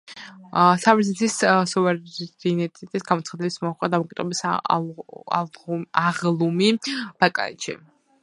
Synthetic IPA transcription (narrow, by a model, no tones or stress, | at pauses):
savɾzɛt̪ʰissɔvɛɾinɛt̪ʼit̪ʼisɡamɔt̪sʰχad̪ɛbismɔaχkʼad̪amɔkʼid̪̥ʁɛbis | aʁlˠumib̥akʼa̰nʃḭ